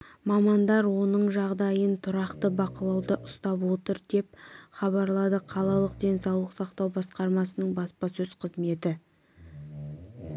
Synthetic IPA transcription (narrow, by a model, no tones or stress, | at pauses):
mɑmɑnd̪ɑɾwo̞nəɴʒɑʁd̪ɑjənt̪ʰʊɾɑqt̪əbɑqəlˠɑwd̪əʔʊst̪ɑpwo̞t̪əɾd̪e̞p̚χɑβɑɾlˠɑd̪əqʰɑlˠɑlˠəqd̪e̞nsɑwlˠəqsɑqt̪ɑwbɑsqɑɾmɑsənəɴbɑspɑsɵz̥qʰəzme̞t̪ɪ